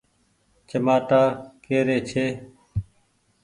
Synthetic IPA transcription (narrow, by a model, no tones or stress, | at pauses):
t͡ʃəmaːʈaːkeːɾeːt͡ʃʰeː